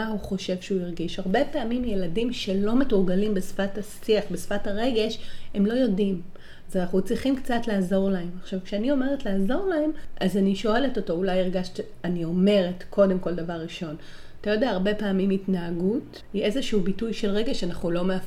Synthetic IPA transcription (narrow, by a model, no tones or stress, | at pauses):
ahuχo̞ʃe̞vʃeuiʁɡiʃaʁbe̞peːmimje̞ladimʃe̞lo̞metuʁɡalimbesfathasiaχbesfathaʁe̞ɡe̞ʃhe̞mlo̞jo̞dim | azanaχut͡sʁiχimkt͡satlaːzo̞ʁlae̞maχʃavkʃeanio̞meʁetlaːzo̞ʁlae̞mʔazaniʃo̞e̞leto̞to̞ulajiʁɡaʃti | anio̞me̞ʁetkʰo̞de̞mko̞ldavaʁːiʃo̞n | atajo̞deaːʁbe̞peːmimitnaaɡut | iʔezeʃuubitujʃelʁe̞ɡe̞ʃanaχnulo̞mea